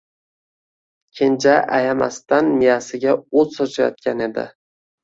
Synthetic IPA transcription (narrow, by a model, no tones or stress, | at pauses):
kʲʰend͡ʒaʔajama̰st̪anmijasɪɡʲaɵzsɒt͡ʃʰajɒ̰t̪̚kʲane̞d̪ɪ̰